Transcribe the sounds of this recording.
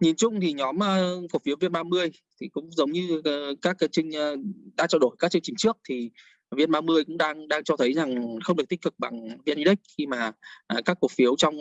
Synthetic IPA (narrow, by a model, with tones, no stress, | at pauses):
ɲi˨˦nt͡ɕʊ˧˨ŋ͡mt̪ʰi˨˩ɲɔ˨˦mʔəː˧fu˧˩fi˨˦wvi˧nmaː˧mɨ˧əj | t̪ʰi˨˩kʊ̰˧˥ŋ͡mzə˨˦wŋ͡mɲɨ˧˩kaː˦˥k̚t͡ɕï˧ŋ̟ː˧ɗa̰ː˧˥t͡ɕɔː˧ɗo˧˩jkaː˦˥k̚t͡ɕɨ˧ŋt͡ɕï˨˩ŋ̟t͡ɕɨ˦˥ək̚t̪ʰi˨˩ | vi˧ənɓaː˧mɨ˧əjkʊ̰˧˥ŋ͡mɗaː˧ŋɗaː˧ŋt͡ɕɔ˧t̪ʰə˨˦jza˨˩ŋxə˧ŋ͡mɗɨ˨˩ət̪i˥k̚kɨ˨˩k̚ɓa˨˩ŋvi˧ni˧ɗi˦˥k̟̚xi˧maː˨˩ʔkaː˦˥kːu˨˩ək̚fi˨˦əwt͡ɕɔ˧wŋ͡m